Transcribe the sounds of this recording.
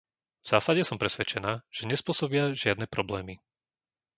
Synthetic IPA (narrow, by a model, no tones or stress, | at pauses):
vz̥aːsaɟɛsɔmpɾɛsʋɛt͡ʃɛnaːʒ̥ɛɲɛspʊɔsɔbɪaʒɪad̪nɛːpɾɔblɛːmi